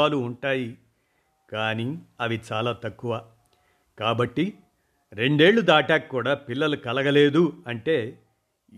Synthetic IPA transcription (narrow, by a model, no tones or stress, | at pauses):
aːluːɳʈaːji | kaːniɐʋit͡ʃaːlaːt̪ɐkːuʋaː | kaːbɐʈːi | ɾe̞ɳɖe̞ːɭːud̪aːʈaːkːuːɽaːpilːɐlukɐlɐɡɐle̞ːd̪uɐɳʈe̞ː